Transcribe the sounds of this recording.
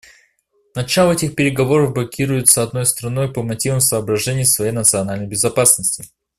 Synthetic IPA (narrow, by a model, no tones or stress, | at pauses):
nɐt͡ɕalˠəɛtʲɪxpʲɪɾʲɪɡɐvo̞ɾəvblˠɐkʲʰiɾʊjʊt̪səɐd̪no̞jst̪ɾɐno̞jpəmɐtʲivəmsəːbɾɐʐɛnʲɪjːsvɐjejnət̪sɨɐnalʲnəjbʲɪzɐpasnəsʲtʲɪ